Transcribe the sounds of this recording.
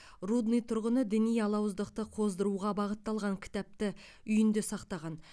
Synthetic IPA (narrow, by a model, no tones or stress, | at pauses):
rud̪nijt̪ʰʊɾʁənəd̪ɪnijɑlˠɑwəzd̪əqt̪əqʰo̞zd̪əɾuʁɑbɑʁət̪ːɑlˠʁɑŋkʲʰɪ̥t̪æp̚t̪ɪ | ʏjɪnd̪esɑqt̪ɑʁɑn